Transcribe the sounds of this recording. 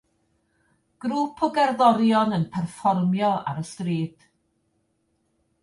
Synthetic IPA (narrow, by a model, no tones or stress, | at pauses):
ɡ̥ɾuːpʰɔɡɛrðɔɾjɔnənpʰɛrfɔrmjɔa̰ɾəstriːd̥